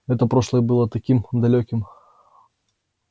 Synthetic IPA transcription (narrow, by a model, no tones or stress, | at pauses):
ɛt̪əpɾoʂlˠəjəbɨlˠət̪ɐkʲimd̪ɐlʲokʲɪm